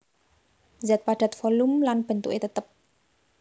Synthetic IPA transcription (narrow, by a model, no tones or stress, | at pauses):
zɛt̪̚paɖ̥a̤t̪̚fɔlumlanb̥ə̤nt̪ṵʔet̪ət̪əp̚